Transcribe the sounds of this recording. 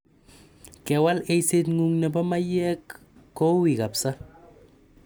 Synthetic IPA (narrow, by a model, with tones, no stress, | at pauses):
kewa˦lejse˦t̪ŋuŋna˨ba˦ma˦je˦kː | o˦wi˨ɣa˨psa˦